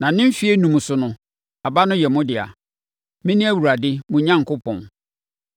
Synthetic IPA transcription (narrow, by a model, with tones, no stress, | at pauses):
nã˨nɪ̃˦m̩˦fi˦e˦nũ˨m̃˨sʊ˨nʊ̃˨ | a˨ba˦nʊ̃˦jɛ˨mʊ̃˦dɪ˨a̰˨ | mɪ̃˦nɪ̃˦æ˦wu˨ɾa˨dɪ˦mʊ̃˨ɲã˦ŋ˨kʰʊ˦pʰɔ̰̃˨n